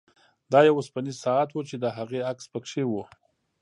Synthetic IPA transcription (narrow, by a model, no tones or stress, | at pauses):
d̪ɑjawʊspanisɑat̪wut͡ʃed̪əɦaɣeakspəkʂewu